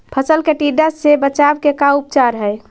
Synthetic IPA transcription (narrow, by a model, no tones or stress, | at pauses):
pʰəsəlkeʈiɖəsebət͡ʃabkekaup̚t͡ʃaɾɦəj